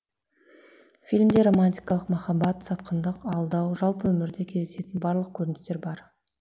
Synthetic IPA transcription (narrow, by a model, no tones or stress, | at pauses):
fʲilʲmd̪e̞ɾo̞manʲt̪ʲijkɑlˠəqmɑχɑbɑt̪sɑt̪qʰənd̪əqɑlˠd̪ɑwʒɑlˠpəwɵmɪɾd̪e̞kʲʰe̞zd̪ese̞t̪ɪnbɑɾlˠəq̚kʲʰɵɾɪnɪst̪eɾbɑɾ